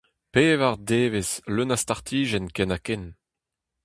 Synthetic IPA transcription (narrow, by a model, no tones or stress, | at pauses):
peːvaʁd̪eːvezlønast̪aʁt̪ʰiːʒɛnkɛnakɛn